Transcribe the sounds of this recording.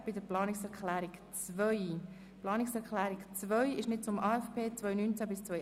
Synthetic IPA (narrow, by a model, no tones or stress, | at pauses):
b̥ɪdəɾplɑːnɪksɛɾkχlæːɾɪkt͡svœʏ | plɑːnɪksɛɾklæːɾɪkt͡svœʏɪʃnɪt̚t͡sʊmɑːɛfpʰeːt͡svœʏnynt͡sæbɪst͡svœ